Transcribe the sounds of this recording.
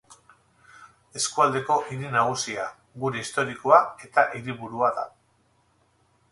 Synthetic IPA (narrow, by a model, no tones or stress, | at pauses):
e̞skuald̪e̞ko̞ʔiɾinaɣ̞usia | ɡuɾe̞ist̪o̞ɾikoae̞t̪aʔiɾiβuɾuaða̰